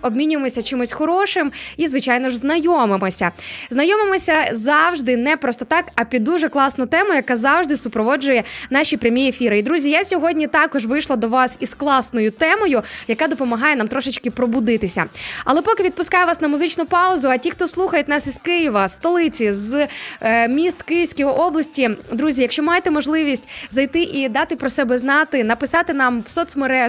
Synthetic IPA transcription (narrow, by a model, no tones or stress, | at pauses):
ɔbmʲinʲʊjemɔsʲɐt͡ʃɪmʊsʲxɔɾɔʃɪmizʋɪt͡ʃajnɔʒznɐjɔmɪmɔsʲɐznɐjɔmɪmɔsʲɐzɑwʒd̪ɪnɛpɾɔst̪ɔt̪ɑkɐpʲid̪ːuʒɛklˠɑsnʊjʊt̪ɛmʊjʊjɐkazɑwʒd̪ɪsʊpɾɔʋɔd͡ʒʊjɛn̪ɑʃʲipɾʲɐmʲiefʲiɾɪid̪ɾuzʲijasʲɔɦɔdʲnʲit̪ɑkɔʒʋɪjʃlˠɐd̪ɔʋɑsisklˠɑsnɔjʊt̪ɛmɔjʊjɐkad̪ɔpɔmɐɦɑjɛnamt̪ɾɔʃɪt͡ʃkɪpɾɔbʊd̪ɪt̪ɪsʲɐ̰ɐlˠɛpɔkɪʋʲid̪̚pʊskɑjɛʋɑsnɐmʊzɪt͡ʃnʊpɑʊzʊɐtʲixt̪ɔslˠuxɐjetʲnɑsiz̥kɪjɪʋɐst̪ɔlˠɪt͡sʲiz | mʲist̪kɪjɪwsʲkɔjiʔɔblˠɐsʲtʲid̪ɾuzʲijɐkʃt͡ʃɔmɑjet̪ɛmɔʒlˠɪʋʲisʲtʲzɐjt̪ɪʔid̪ɑt̪ɪpɾɔsɛbɛznɑt̪ɪnɐpɪsɑt̪ɪnɑmwsɔt̪smeɾɛ